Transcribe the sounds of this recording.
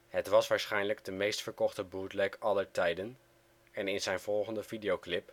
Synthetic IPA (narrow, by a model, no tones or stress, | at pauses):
ɦətʋɑsʋaːɹsχɛjnləɡdəmejstfəɹkɔχtəbuːtlɛkɑləɹtɛjdən | ɛnɪnzɛjnv̥ɔlˠχəndəvidiowklɪp